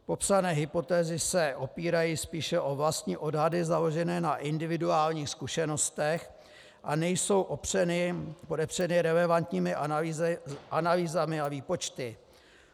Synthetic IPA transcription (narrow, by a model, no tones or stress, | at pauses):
po̞psanɛːɦɪpo̞t̪ɛːzɪsɛʔo̞piːɾajiːspiːʃɛʔo̞vlast̪ɲiːʔo̞dɦadɪzalo̞ʒɛnɛːnaʔɪndɪvɪduaːlɲiːxskuʃɛno̞st̪ɛx | ʔanɛjso̞wʔoprɛnɪpo̞dɛpr̝̥ɛnɪɾɛlɛvant̪ɲiːmɪʔ | ʔanaliːzamɪaviːpo̞t͡ʃt̪ɪ